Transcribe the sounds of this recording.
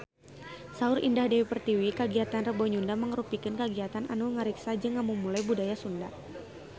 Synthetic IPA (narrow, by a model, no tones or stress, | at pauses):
saʊɾḭndahdewipərt̪iwikəɡiat̪anrəbɔɲundaməŋəɾupikɪnkəɡiat̪anʔa̰nuŋəɾiksad͡ʒɨŋːamumulajbudajasunda